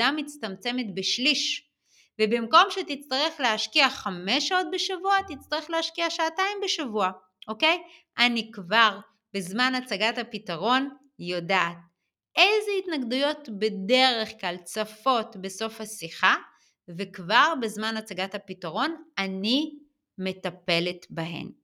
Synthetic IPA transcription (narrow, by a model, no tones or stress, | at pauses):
amːit͡st̪amt͡se̞me̞tbeʃliʃ | vebimko̞mʃetit͡st̪aʁe̞χleɦaʃkiaχame̞ʃao̞t̚beʃavuat̪it͡st̪aʁeχleaʃkiaʃaataimbeʃavua | ʔo̞ke̞jʔanikvaʁ | bezmanat͡saɡathapitaʁo̞n | jodaʔːt̚ | ejzeitnaɡdujo̞tbe̞de̞ʁe̞χklalt͡safo̞tbe̞so̞fhasiχa | vekvaʁbezmanat͡saɡathapitaʁo̞nani | me̞tape̞letbaɦe̞̰m